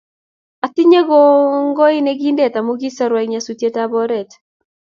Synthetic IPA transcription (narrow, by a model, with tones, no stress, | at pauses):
a˨tɪ˦ɲe˦ɡɔ˦ŋɡɔ˦ɪ˦nɛ˦ɡi˦ndɛ˦˨ta˨mo˦ɡi˦sa˦ɾwɛ˨kɲa˨su˦tje˦ta˦bɔ˦ɾɛ˨t